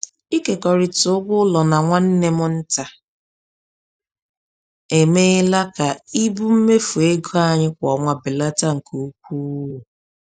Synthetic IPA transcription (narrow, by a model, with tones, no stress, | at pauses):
i˦ke˨kɔ˨ɾɪ˨tʊ˨ʊ˦ɡʷʊ˦lɔ˨na˨ŋʷa˦n̩˦ne˦mʊ˦n̩˦ta˨ | e˨me˦la˦ka˨i˦bu˦m̩˦me˦fu˨e˦ɡo˦a˨ɲɪ˦kʷɔ˨ŋʷa˨bɪ˨la˦ta˦ŋ̩˨ku˦k̚ʷu˦wu˨